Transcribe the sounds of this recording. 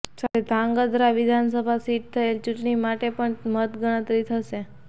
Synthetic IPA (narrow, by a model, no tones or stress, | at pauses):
saɾed̪ʱãŋɡəd̪ɾaʋid̪ʱans̬əbʱasiʈ̚t̪ʰəelt͡ʃuʈɳimaʈepəɳmət̪ɡəɽ̃ət̪ɾit̪ʰəʃe